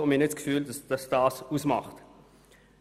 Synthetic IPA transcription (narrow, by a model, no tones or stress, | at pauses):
ʊminɪtskfyːldɑsd̥ɑsd̥ɑːsusmɑ̰χt